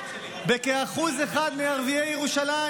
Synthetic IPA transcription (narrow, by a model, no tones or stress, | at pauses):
bekeaχuzeχad̪miaʁviejeʁuʃala